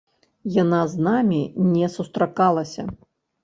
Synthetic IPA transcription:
janaznamʲinʲɛsust̪ɾakalˠɐsʲɐ̰

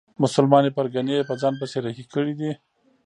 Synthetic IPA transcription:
mʊsʊlmɑnepəɾɡaneepəd͡zɑnp̬əseɾaxikəɽid̪i

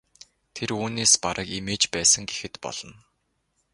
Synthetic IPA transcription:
t̪ʰeruːneːspaɾʔə̆kemeːt͡ɕpæːsə̆ŋɡexɘ̆t̪pɔ̰ɮ̥ɞ̆n

